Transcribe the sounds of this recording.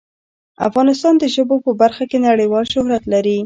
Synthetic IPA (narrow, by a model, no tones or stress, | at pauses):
a̰fɣɑnɪst̪ɑnd̪əʒəbopəbaɾxakenaɽəjwɑlʃʊhɾat̪laɾi